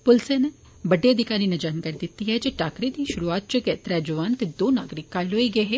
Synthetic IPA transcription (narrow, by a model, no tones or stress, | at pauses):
pʊlseːne | bəɖːeːəd̪ɪkaːɾiːned͡ʒaːnkaɾiːd̪ɪt̪ːiːɦɛːd͡ʒeːʈaːkɾeːd̪iːʃʊɾuːaːt̪̚t͡ʃəkɛːt̪ɾɛːd͡ʒəʋaːnt̪eːd̪oːnaːɡɾɪkːaːiloːiːɡəeɦeː